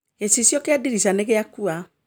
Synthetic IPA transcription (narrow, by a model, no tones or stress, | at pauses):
ɛsisjɔkeadiɾisanɛkɛjakua